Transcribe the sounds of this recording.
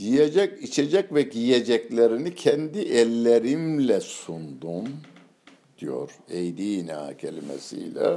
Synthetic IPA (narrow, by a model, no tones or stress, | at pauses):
jijed͡ʒɛcit͡ʃʰed͡ʒɛcvɛɟijed͡ʒɛclʲeɾinicʰɛnd̪iʔɛlʲːeɾimlʲɛsund̪um | d̪̥ijo̰ɾejd̪ina̰cʰelʲimḛsḭjlʲɛ̰